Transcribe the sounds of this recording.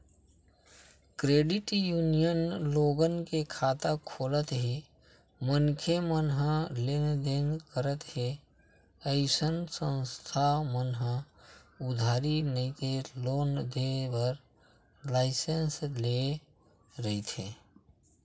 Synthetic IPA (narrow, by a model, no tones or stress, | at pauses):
kɾeːɖɪʈjuːnijənloːɡənkekʰaːt̪akʰoːlət̪ɦe | mənkʰemənɦə̃lend̪enkəɾət̪ɦe | əɪsənsə̃nst̪ʰamənɦə̃ | ʊd̪ʱaːɾinəĩt̪eloːnd̪ebəɾ | laːɪsensle | ɾəit̪ʰeː